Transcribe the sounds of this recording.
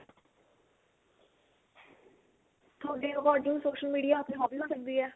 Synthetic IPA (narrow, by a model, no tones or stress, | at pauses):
t̪ʰoːɖeːɾəkɔːɾɖɪ̃ŋsoːʃəlmiːɖijaːʊt̪ʰẽɦɔːbinãːsək̚d̪iːɛː